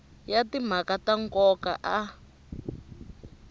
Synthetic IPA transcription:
jatim̤akataŋkɔka̰ʔa

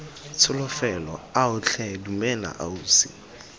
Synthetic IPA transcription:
t͡sʰʊlʊfɛlɔaʊt͡ɬʰɛdumɛla̰ʔa̰uːsɪ̰

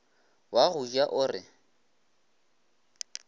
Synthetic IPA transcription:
waɣʊʒaʔʊrɪ

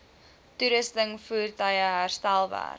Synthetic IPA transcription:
tuɾəstəŋfuːrtəjəɦærstælˠvæ̰ːr

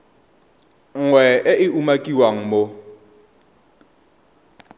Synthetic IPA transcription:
ŋ̩ŋwɛɪʔɪumakʼiwaŋ̩mo

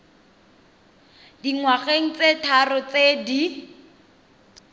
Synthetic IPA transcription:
diŋwaχeŋ̩t͡setʰarʊt͡sedi

